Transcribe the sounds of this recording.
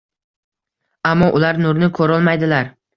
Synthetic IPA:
amːɒʔʊlaɾnʊɾnɪkʰɵɾɒlˠmajd̪ɪlaɾ

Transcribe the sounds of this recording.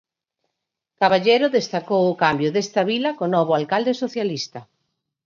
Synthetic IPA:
kaβaʎejɾʊðest̪akowʊkambjʊðest̪ɐβilɐkonɔβ̞ʊalkald̪esoθjalist̪ɐ

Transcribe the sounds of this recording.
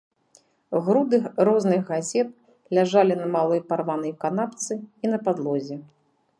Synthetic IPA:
ɣɾud̪ɨxrɔznɨɣɣazʲɛt̪̚ | lʲaʐalʲinɐmalˠɔjparvanɐjkan̪apt̪sɨin̪ɐpad̪lˠɔzʲɛ

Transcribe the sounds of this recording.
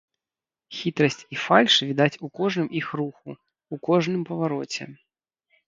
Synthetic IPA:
xʲit̪ɾɐsʲt͡sʲifalʲʂvʲid̪at͡sʲukɔʐnɨmʔixɾuxu | ukɔʐnɨmpɐvaɾɔt͡sʲɛ̰

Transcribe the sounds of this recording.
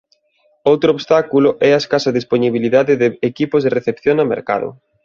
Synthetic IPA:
owt̪ɾooβst̪akulʊʔɛaeskasɐðisponiβiliðaðɪðeekipʊzðereθepθjoŋɐmḛɾka̰ðʊ̰

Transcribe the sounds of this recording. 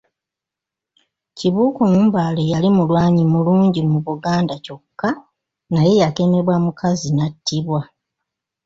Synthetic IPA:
ciβuːkomumbaːle̞jalimulwaːɲimuluːɲɟimuβuɡaːndaco̞kːa | naje̞jake̞me̞βwamukʰazinatːiβwa

